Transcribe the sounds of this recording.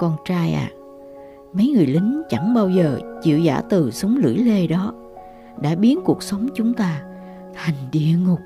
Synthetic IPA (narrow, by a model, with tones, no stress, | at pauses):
kɔ˧nt͡ɕaː˧jʔa̰ː˨˩ | mə˨˦jŋɨ˨˩əjlï˨˦ŋ̟t͡ɕa˧˩ŋɓaː˧wzəː˨˩t͡ɕḭ˧˨əwza̰ː˧˥˩t̪ɨ˨˩sə˨˦wŋ͡mlɨ̰˧˩əjle˧ɗɔ˨˦ | ɗa̰ː˧˥ɓi˨˦ənku˨˩ək̚sə˨˦wŋ͡mt͡ɕʊ˨˦ŋ͡mt̪aː˧ | t̪ʰa˨˩jŋ̟ɗḭ˧˨əŋʊ˨˩k͡p̚